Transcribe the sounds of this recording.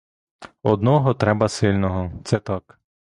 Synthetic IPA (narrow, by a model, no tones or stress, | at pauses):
ɔd̪nɔɦɔt̪ɾɛbɐsɪlʲnɔɦɔt̪sɛt̪ɑk